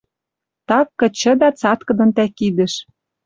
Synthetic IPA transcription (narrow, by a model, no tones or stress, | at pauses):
t̪ɑkːɤ̆t͡ɕɤ̆d̪ɑt͡sɑt̪kɤ̆d̪ɤ̆nt̪ækid̪ɘ̆ʃ